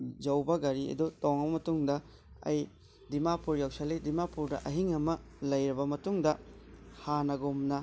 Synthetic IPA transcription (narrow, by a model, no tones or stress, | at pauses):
d͡ʒɐwbɐɡɐɾiɐ̰dutɔŋɐbɐmɐtuŋdɐ | ɐ̰j | dimapuɾjawsɐlidimapuɾdɐʔɐɦiŋɐmɐ | lɐjɾɐbɐmɐtuŋdɐhanɐɡomnɐ